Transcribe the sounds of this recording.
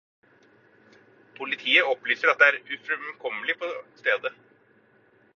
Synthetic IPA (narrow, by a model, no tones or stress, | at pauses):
pʰʊlɪt̪ʰiːəɔplyːsəɾɑt̪̚d̪ɛæːɾʉfɾʉmkʰɔmːəlɪpʰɔst̪eːd̪ə